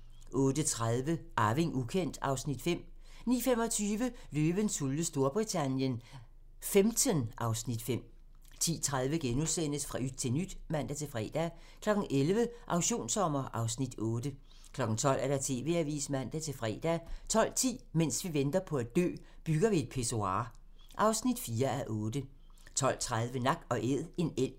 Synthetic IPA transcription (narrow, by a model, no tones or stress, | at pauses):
ʔɔ̽ːd̥ət͡sʰʁaðˠʋəʔɑ̈ːʋe̝ŋʔukʰen̰d̥ɑ̈ʊsnid̥fem̰ | nḭːfem̰ɒ̽t͡sʰyːʋə | løːʋ̥ənsuləsd̥o̝ɐb̥ʁit͡sʰænjən | femʰənʔɑ̈ʊsnid̥fem̰ | t͡sʰḭːt͡sʰʁað̞ˠʋəɡ̥enuðˠsen̰əsfʁɑy̥t͡sʰe̝lnyd̥mæn̰d̥æt͡sʰe̝lfʁɛ̰ːd̥æ | kʰlɒ̽ɡ̥n̩elʋəʔɑ̈ʊɕo̝̰ːnsɒ̽m̰ɐʔɑ̈ʊsnid̥ɔ̽ːd̥ə | kʰlɒ̽ɡ̥n̩t͡sʰɒ̽l̰æɐɾ̥ɑ̈t͡sʰe̝̰ːʋe̝ːæʋḭːsmæn̰d̥æt͡sʰe̝lfʁɛ̰ːd̥æt͡sʰɒ̽l̰t͡sʰḭːmen̰sʋiʋend̥ɐpʰɒ̽æd̥̚d̥ø̰ː | b̥yɡ̥ɐʋie̝d̥̚pʰe̝so̝ɑ̰̈ː | ʔɑ̈ʊsnid̥fiːɐæʔɔːd̥ə | t͡sʰɒ̽l̰t͡sʰʁað̞ˠʋənɑ̈ɡ̥ɒ̽ʔeð̰ˠe̝nel̰